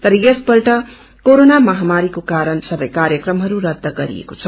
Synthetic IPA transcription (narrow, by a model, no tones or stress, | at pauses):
t̪ʌɾʌjesbʌɾʈʌ | koɾonamʌɦamaɾikokaɾʌnsʌbʌjkaɾjʌkrʌmɦʌɾuɾʌd̪ʱːʌɡʌɾḭḛkot͡sʰʌ